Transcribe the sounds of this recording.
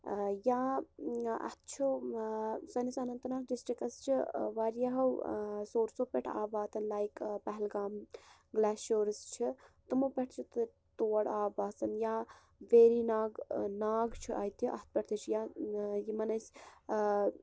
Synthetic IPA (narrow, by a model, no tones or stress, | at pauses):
ja | ɐ̰t̪̚ʰt͡ʃʰu | sɐnisɐnɐnt̪naːɡ̚ɖisʈɾikɐst͡ʃʰiʋaɾjaɦɐwsoːɾsoːpɛʈʰa̰ːbaːt̪ɐnlaːjkpɐɦɛlɡaːm | ɡlaːsoːɾst͡ʃʰit̪umopʲɐʈʰt͡ʃʰit̪ɨ | t̪oːɽaːbaːsɐnjaː | ʋeːɾinaːɡnaːɡt͡ʃʰiʔɐ̰jt̪ʰjiʔɐ̰t̪̚pɐʈʰt̪ʰit͡ʃʰijajimɐnɐs